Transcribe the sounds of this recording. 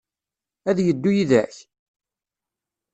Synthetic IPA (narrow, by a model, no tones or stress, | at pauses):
æðjəd̪ːujiðæç